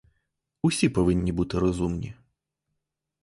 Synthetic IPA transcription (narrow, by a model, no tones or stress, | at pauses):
usʲipɔʋɪnʲːibut̪ɪɾɔzumnʲḭ